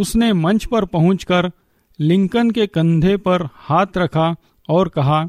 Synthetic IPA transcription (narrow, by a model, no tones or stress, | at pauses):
ʊsnemɐ̃nt͡ʃpɐɾpɐɦʊ̃t͡ʃkəɾ | lɪ̃ŋkənkekɐ̃nd̪ʱepɐɾhaːt̪ʰɾɐkʰa | ɔːɾkɐɦaː